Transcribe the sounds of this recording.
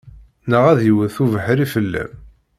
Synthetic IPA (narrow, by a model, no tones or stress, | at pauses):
nəʁæðjəwəθuvəħɾifəlːæ̰m